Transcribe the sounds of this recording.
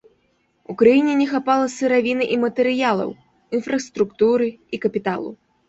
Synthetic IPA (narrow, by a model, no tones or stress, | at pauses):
ukɾajinʲɛnʲɛxapalˠɐsɨɾavʲinɨʔimɐt̪ɛɾɨjalˠɐ̰w | infɾɐst̪ɾukt̪uɾɨikɐpʲit̪alˠṵ